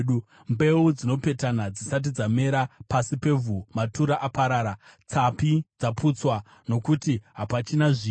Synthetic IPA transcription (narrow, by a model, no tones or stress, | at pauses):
u | mbe̞ud͡zino̞pe̞tanad͡zisat̬id͡zame̞ɾapasipe̞vumatuɾaʔapaɾaːɾat͡sapid͡zaput͡swa | no̞kutiɦapat͡ʃinaʐiː